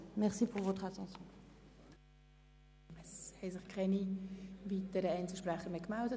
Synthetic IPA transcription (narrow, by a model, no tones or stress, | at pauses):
mɛʁsipuʁvot̪χat̪ɑ̃sjɔ̃ | ɛshɛɪsɪχkʰɛniviːt̪əɾəɛɪnt͡səʃprɛχəmekmaʊdə